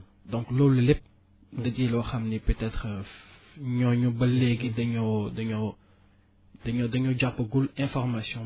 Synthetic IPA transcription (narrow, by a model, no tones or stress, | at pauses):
dɔ̃ŋkloːlːəlɛp̚ | dɐdiːlwɐxɐmnipøtɛt̪χə | ɲɔɲubɐlːɛɡidɐɲɔdɐɲɔ | dɐɲɔdɐɲɔɟapːəɡulɛ̃fɔʁmasjɔ̃